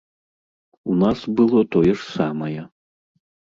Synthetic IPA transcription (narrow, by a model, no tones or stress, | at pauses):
unasbɨlˠɔt̪ɔjɛʂsamɐjɐ